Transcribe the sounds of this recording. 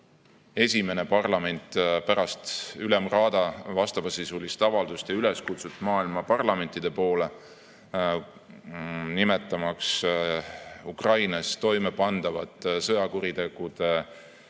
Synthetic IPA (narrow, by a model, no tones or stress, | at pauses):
e̞sʲime̞ne̞pɑrlɑme̞nʲt̪ˑpæɾɑst̪ylemrɑːd̪̥ɑvɑst̪ɑv̥ɑsisulʲist̪ɑvɑld̪̥ust̪jɑyle̞skut̪sut̪ːˑmɑːilmɑpɑrlɑme̞nʲt̪ˑid̪̥e̞po̞ːle̞ | nime̞t̪ˑːɑmɑks | ukrɑjnɑst̪o̞jme̞pɑnd̪̥ɑvɑt̪ːˑsɤjɑkuɾit̪e̞ɡ̥ud̪̥e̞